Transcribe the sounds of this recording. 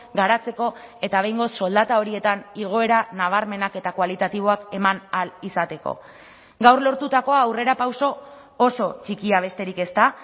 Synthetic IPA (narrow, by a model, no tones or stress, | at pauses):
ɡaɾat͡se̞ko̞e̞t̪aβe̞jŋɡo̞sːo̞ld̪at̪ao̞ɾie̞t̪aniɣ̞o̞e̞ɾanaβ̞aɾme̞nake̞t̪akwalit̪at̪iβ̞o̞ake̞manalisat̪e̞ko̞̰ | ɡawrlo̞ɾt̪ut̪ako̞aːwre̞ɾapawso̞ː | so̞t͡ʃikiaβ̞e̞st̪e̞ɾike̞st̪a